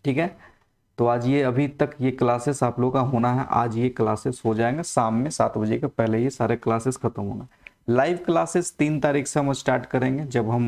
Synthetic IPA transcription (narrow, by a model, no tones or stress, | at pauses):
ʈʰiːkɦɛ | t̪oːaːd͡ʒjeɐbʱit̪ɐkjeklaːsɪsaːploːɡkaɦoːnaɦɛʔa̰ːd͡ʒjeklaːsɪzɦod͡ʒaːẽːŋɡesaːmːẽsa̰ːt̪bɐd͡ʒekepɛɦlejesaːɾeklaːsɪsxɐt̪əmɦo̰ːnaɦ | laːɪʋklaːsɪst̪iːnt̪aːɾiːkʰseɦɐmɐsʈaːɾʈkɐɾẽːŋɡed͡ʒɐbɦɐm